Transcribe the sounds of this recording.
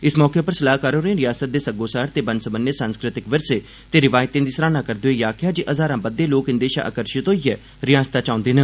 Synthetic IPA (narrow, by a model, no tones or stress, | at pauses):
ɪsmɔːkepəɾsəlaːɦkaːɾõːɾeẽːɾɪjaːsət̪̚d̪eːsəɡoːsaːɾt̪eːbənsəbənjəsãːnskɾɪt̪ɪkʋəɾseː | t̪eːɾɪʋaːjt̪ẽːd̪iːsəɾaːnãːkəɾd̪eːjaːkʰjaːd͡ʒiʔəzaːɾãːbəd̪ːeːloːkɪnd̪eːʃa̰ːʔə̰kəɾʃɪt̪oːiɛː | ɾɪjaːst̪aːt͡ʃãːʊ̃nd̪eːnə